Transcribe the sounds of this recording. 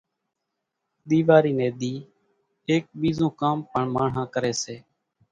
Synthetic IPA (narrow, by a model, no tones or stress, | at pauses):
ɗ̪iːʋaːɾiːneːɗ̪iː | eːk̚ɓiːzõːkaːmpəɳmaːɳ̤ãːkəɾeːseː